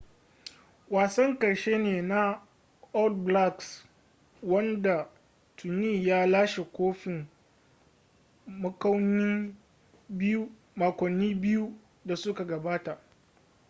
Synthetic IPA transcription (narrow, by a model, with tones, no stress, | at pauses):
waː˨sɐ˦ŋkɐ˨ɽʃeː˦neː˨na˦ | ɔ˦ldbla˦ks | wɐ˦nda˨ | tʰʊ˨niː˦˨jaː˦laː˦ʃe˨kʷoː˦ɸɪ˨m | mɐ˦kɐ˦wnɪ˦ | bu˦ | maː˨kʷɔ˨nːiː˦bɪ˦ju˦ | da˨sʊ˦ka˨ɡɐ˨baː˦ta˨ʔ